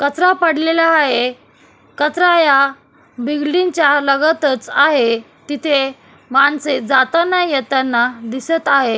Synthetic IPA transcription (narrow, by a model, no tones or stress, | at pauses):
kət̪ɾapəɽ̤lelaːɦe | kət̪ɾaja | biɡliɲt͡ɕjaləɡət̪ət͡saɦe | t̪it̪ʰe | maɳsed͡zat̪anajət̪anːad̪isət̪aɦe